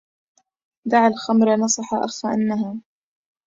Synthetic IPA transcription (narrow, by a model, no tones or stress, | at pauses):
d̪aʕalxamɾɑnɑsˤɑħɑʔaxfaʔanːaɦa